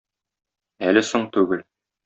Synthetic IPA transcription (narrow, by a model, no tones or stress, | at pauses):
ælɘsoɴt̪ʉɡɘl